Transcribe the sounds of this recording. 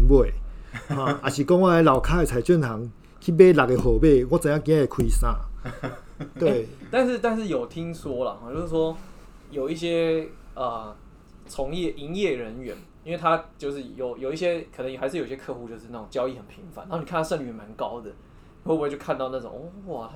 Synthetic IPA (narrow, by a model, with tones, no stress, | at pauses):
bwe˥˨˩hwã˥˨˩a˨ɕi˨˩kɔ˦ŋwa˥˧e˧˦la˨˩ʊkʰa˦˥e˨t͡sʰa˨˦ɪt͡ɕɥɛ˥˨nhʰa˨˦ŋ | kʰi˦be˦la˨ke˧ɦo˨˦be˥˧˨wɔ˦t͡sa˨˦ja˥˩k̬ĩ˦ã˦e˨kʰwi˦sã˦ | t̪wt̪a˥˧nʂɻ̩˥˨t̪a˥˧nʂ̬ɻ̩˥˩jo˨˩ʊt̪ʰi˦˥ŋswɔ˥lə̰˨xɔ˧t͡ɕjo˥˧ʊʂɻ̩˥˩ʂwɔ˦˥ | jo˨˩ʊi˥˩ɕjɛ˥ə˩ | t͡sʰɔ˧˦ŋjɛ˥˩ʔi˦njɛ˥˩ɻə˧˦nɥɛ̰˧˦n | i˦nwe˥˩ɪt̪ʰa˦t͡ɕjo˥˧ʊʂɻ̩˥˩jo˨˩ʊjo˨˩ʊi˥˩ɕjɛ˦˥kʰə˨˩nə˧˦ŋja˧˦ʂɻ̩˥˩jo˨˩˨i˧ɕɛ˥kʰɤ˥˧xu˥˧t͡ɕjo˥˧ʊʂɻ̩˥˧na˥˩t͡so˨˩ŋt͡ɕjɑ˥ʊi˥˩hə˨˩npʰi˨˧˦ŋfa˨˦n˨˧˦ni˨k̪ʰʂə˥˩ŋly˨˩˨ma˧˦nkaɑ˦˥ʊd̪ə˨ | o˥˩˧t͡ɕo˥˧kʰa˥˧nt̪ɑ˥˧ʊna˥˩t͡so̰˨˩ŋ˥˩wt̪ʰa˦˥